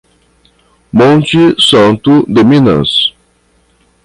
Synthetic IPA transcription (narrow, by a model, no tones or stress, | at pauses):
mõnt͡ʃɪsɐ̃nt̪ʊd̪emĩnɐ̰̃s